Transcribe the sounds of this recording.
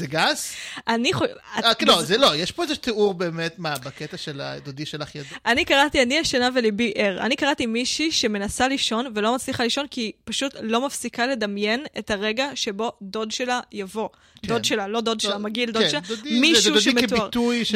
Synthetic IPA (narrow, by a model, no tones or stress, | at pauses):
zeɡazʔaniχoalozelojeʃpoezeʃuteuʁbeːmetmabaket̪aʃela̰d̪odiʃelaχjadʔanikaʁatianiaʃenavelibiʔeʁa̰nikaʁatimiʃiʃe̞me̞nasaliʃo̞nvelo̞mat͡sliχaliʃo̞nkipaʃutlo̞mafsikale̞d̪amje̞netaʁe̞ɡaʃe̞bo̞d̪o̞dʃe̞lajavo̞ | dodʃelalo̞d̪o̞dʃelamaɡildodeaamiʃuʃmetaʁtuj